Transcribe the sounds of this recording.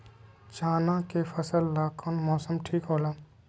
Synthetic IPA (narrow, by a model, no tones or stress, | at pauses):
t͡ʃaːnãkepʰəsəlːaːkonmɔːsəmʈʰiːkɦoːlaː